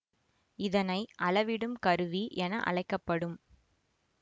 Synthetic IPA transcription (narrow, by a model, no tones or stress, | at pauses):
ɪðɐnɐɪʔɐlɐʋɪɽɯmkɐɾɯʋiʔɛnɐʔɐ̰ɭɐɪkːɐpːɐɽɯm